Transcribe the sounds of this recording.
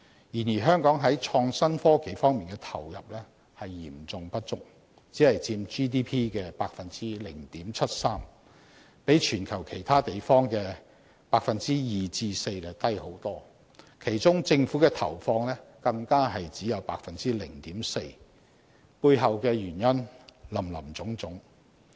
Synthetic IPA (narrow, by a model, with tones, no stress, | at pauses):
jiː˨˩njiː˨˩ɦœː˥ŋkɔː˨˥ŋɦɐ˨˥jt͡ʃʰɔː˧ŋsɐ˥nfɔː˥ke˨˥jfɔː˥ŋmiː˨nkɛ˧t̪ʰɐ˨˩wjɐ̰˨p̚lɛː˥ | hɐ˨jːḭː˨˩mt͡sʊ˨ŋpɐ˥t̚t͡sʊ˥k̚ | t͡siː˨˥hɐ˨jt͡siː˧mt͡ʃiː˥t̪iː˥pʰiː˥kɛː˧paː˧k̚fɐ˨nt͡siː˥lɪ˨˩ŋt̪iː˨˥mt͡sʰɐ˥t̚saː˥m | pe˨˥jt͡ʃʰyː˨˩nkʰɐ˨˩wkʰe˨˩jt̪ʰaː˥t̪e˨jfɔː˥ŋkɛː˧ | paː˧k̚fɐ˨nt͡siː˥jiː˨t͡siː˧se˧jlɛ˨t̪ɐ˥jho˨˥wt̪ɔː˥ | kʰe˨˩jt͡sʊ˥ŋt͡sɪ˧ŋfuː˨˥kɛː˧t̪ʰɐ̰˨˩wfɔː˧ŋlɛː˥kɐ˧ŋkaː˥ɦɐ˨jt͡siː˨˥jɐ˨˧wpaː˧k̚fɐ˨nt͡siː˥lɪ˨˩ŋt̪iː˨˥mse˧j | puː˧jɦɐ˨wkɛː˧jyː˨˩njɐ˥nlɐ˨˩mlɐ̰˨˩mt͡sʊ˨˥ŋt͡sʊ˨˥ŋ